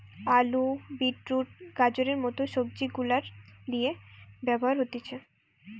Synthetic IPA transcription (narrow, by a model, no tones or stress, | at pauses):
alubiʈɾuʈ̚ɡ̥ad͡ʑoɾeɾmɔt̪oʃoɡ̚d͡ʑiɡulaɾd̪ijebɛboɦaɾɦot̪et͡ɕʰe